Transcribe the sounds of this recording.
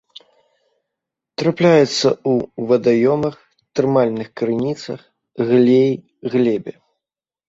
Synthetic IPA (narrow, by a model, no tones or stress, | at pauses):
t̪ɾaplʲajɛt̪sːɐ̰uvɐd̪ajɔmɐx | t̪ɾɨmalʲnɨxkɾɨnʲit̪sɐ̰x | ɣlʲej | ɣlʲɛbʲɛ